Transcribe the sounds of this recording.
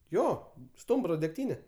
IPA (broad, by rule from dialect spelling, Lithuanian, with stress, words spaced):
ˈjoː ˈstʊmbroː dʲɛkˈtʲiːnʲɛ